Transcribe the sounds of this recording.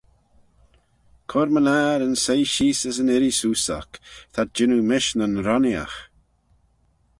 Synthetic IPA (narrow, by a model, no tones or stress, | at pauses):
kʰɔɾmənaːɾənsejʃiːsəs̬ənɪɾisuːsa̰kt̪ʰat̚d͡ʒɪnumɪʃnənɾɔnja̰x